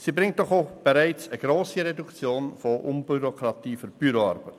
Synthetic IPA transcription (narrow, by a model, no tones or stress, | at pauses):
siːbɾɪŋt̚d̥ɔχob̥ɛɾæɪt͡səɡ̥ɾoːsiɾɛdukt͡sjoːnfoʔʊnbyɾokɾɑt̪iːfyɾb̥yɾoɑ̰ɾb̥ət